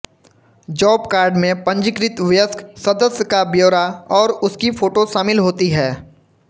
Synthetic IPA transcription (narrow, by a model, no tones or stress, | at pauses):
d͡ʒɔːpkaːɾɖmẽpə̃ɲd͡ʒɪkɾɪt̪ʋjəsksɐd̪əsjəkabjoːɾaɔːɾʊskifʰoːʈoʃaːmɪlɦoːt̪iɦɛː